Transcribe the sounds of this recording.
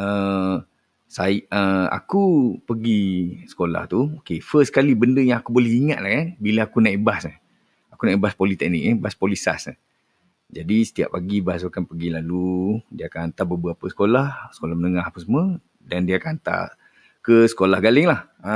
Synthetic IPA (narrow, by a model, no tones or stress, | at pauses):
ə | saəa̰kupəɡisə̥kola̰ht̪uokefəskalibəndəjãŋakubolɛhiŋaʔ̪̚lahkanbilaakunaʔibasə | akunãebaspolit̪ɛk̚nikɛbaspolisa̰s | d͡ʒadisə̥t̪ia̰ʔpaɡibas̬ukanpəɡilaludiaakanant̪abəbɣapəsə̥kolahsə̥kolahmənəŋahapəsmə̃ | dandiaakanant̪a̰ | kəsə̥kolahɡalɪŋlah | ə